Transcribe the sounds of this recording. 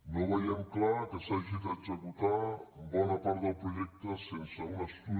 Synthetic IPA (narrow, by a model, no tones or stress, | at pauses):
noβajɛmklakəsaʒit̪at͡ʃəkut̪ambɔnɐpaɾt̪d̪əlˠpɾuʒɛk̚t̪əsensəunəst̪u